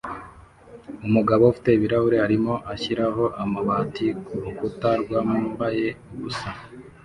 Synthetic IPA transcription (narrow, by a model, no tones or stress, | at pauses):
umuɡaβo̞ufi̥te̞βiɾahuɾe̞haɾimo̞ʔaçiɾaɦo̞ʔamaβatiukutaɾɡwaːmumbaje̞ɡusa